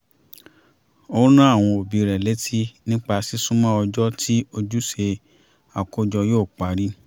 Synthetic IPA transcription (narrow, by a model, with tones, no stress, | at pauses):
o˦nã˦a˦˨w̃ɔ̃˧o˨bi˨˧ɾɛ˨le˨˦tʰi˦nĩ˦k͡pa˧si˦sũ˦mã˦ɔ˧d͡ʒɔ˦tʰi˦o˧d͡ʒu˦ʃe˧ | a˨ko˦d͡ʒɔ˧joː˦˨k͡pa˨˦ɾi˦